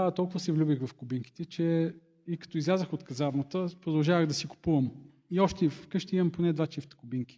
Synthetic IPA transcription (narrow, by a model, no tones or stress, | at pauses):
at̪ɔlˠkʊvəsɛvlʲubixvɐfkʊbiŋki̥t̪ɛt͡ʃɛ | ikɐ̥t̪ɔizlʲazəxot̪kɐzavnət̪əpɾod̪ɐlˠʒavəɣd̪ɐsikʊ̥puvɐm | iɔʃt̪ɛivkɤʃt̪imɐmponɛd̪vat͡ʃift̪ə̥kʊbiŋkʲi̥